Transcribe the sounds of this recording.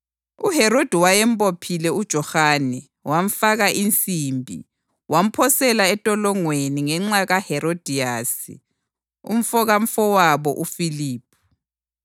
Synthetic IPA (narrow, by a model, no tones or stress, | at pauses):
uhɛɾod̥ʱiwajɛm̩pʼopʰilɛud̥ʒ̥ʱɔhaːnɛ | wam̩faɣaʔint͡sʼiːmbʱḭ | wam̩pʰɔsɛlaɛtʼɔlɔŋweniŋɛŋ͡ǁaɣahɛɾod̥ʱijaːsḭ | ṵm̩fɔɣam̩fɔwaβɔʔufiliːp̚ʰu̥